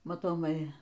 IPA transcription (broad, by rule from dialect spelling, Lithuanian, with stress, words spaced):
mɐtoːˈmɐɪ